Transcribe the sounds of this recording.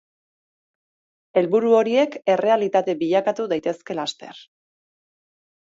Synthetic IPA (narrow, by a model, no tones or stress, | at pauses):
e̞lβuɾuo̞ɾie̞ke̞re̞alit̪at̪e̞biʎakat̪uðajt̪e̞ske̞last̪e̞̰r